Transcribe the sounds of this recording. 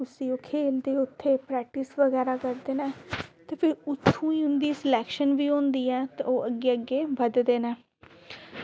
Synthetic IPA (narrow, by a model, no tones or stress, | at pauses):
ʊsĩːoːkʰeːld̪eːʊt̪ʰːeːpɾɛːk̚ʈɪsʋəɡɛːɾaːkəɾd̪eːnɛːt̪eːpʰɪɾʊt̪ʰːũːiːʊnd̪iːsəlɛːkʃənʋiːõːnd̪iːɛːt̪eoːəɡeːəɡːeːbəd̪d̪eːnɛː